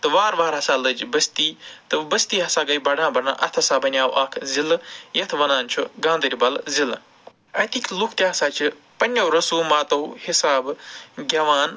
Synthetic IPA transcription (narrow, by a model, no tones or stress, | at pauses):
t̪ɨʋaːɾʋaːɾɦɐsaːlɨd͡ʒbɐst̪iːt̪ɨbɐst̪iːɦɐsaːɡɐjbɐɖãːbɐɾna̰ːʔɐt̪ʰɐsaːbɐnʲaːwʔaːkʰziljɐt̪ʰʋɐnaːnt͡ʃʰuɡãːnd̪əɾʲibɐlzil | ɐt̪ʰikʲʰlukʰt̪jaːɦɐsaːt͡ʃʰi | pɐnʲːɐwɾɐsuːmaːt̪ɐwhisaːbɡʲɐʋaːn